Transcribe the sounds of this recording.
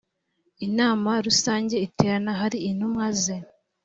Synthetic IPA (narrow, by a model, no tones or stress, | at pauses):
inaːmaɾusaːɲɟe̞iteɾanaɦaɾiːnumŋaze